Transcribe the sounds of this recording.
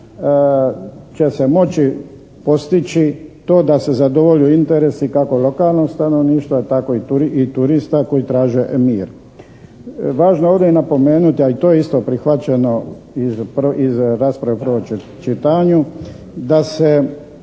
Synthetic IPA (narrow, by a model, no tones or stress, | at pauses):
t͡ʃese̞mo̞t͡ʃi | po̞st̪it͡ʃit̪o̞ːd̪ase̞zad̪o̞ʋo̞ʎuint̪eɾesikako̞lo̞kaːlˠnost̪ano̞ʋniːʃt̪ʋot̪ako̞it̪uɾit̪uɾist̪ako̞jit̪ɾaːʒemiːɾ | ʋaːʒnoeoʋd̪einapo̞me̞ːnut̪iait̪o̞ːjeist̪o̞pɾixʋat͡ɕeno̞ | izpizɾaːspɾaʋepəɾ̩ʋo | t͡ʃit̪aɲu | d̪ase